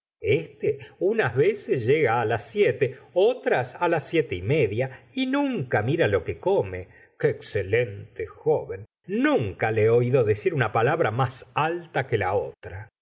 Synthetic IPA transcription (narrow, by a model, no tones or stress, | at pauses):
est̪eunazβesesʒeɣaːlasːjet̪eot̪ɾasalasːjet̪eime̞ðjainũŋkamiɾalo̞ke̞ko̞me | keːkse̞lent̪exoβenː | ũŋkaleo̞iðo̞ðesiɾunapalaβɾamasalt̪akelaot̪ɾa